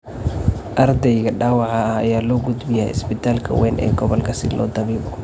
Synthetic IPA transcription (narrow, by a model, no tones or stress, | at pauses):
ʔɐrd̪ɛjɣɐɖaːwɑʕɑhɐ̰jaːlɔːɡʊd̪bɪj̰ɪ̰sbɪt̪ʰaːlkʰɐ̰wɛːnɛ̰ːɡɔβɔlkʰɐsɪ̰lʔɔ̰ːd̪ɐβiːβɔ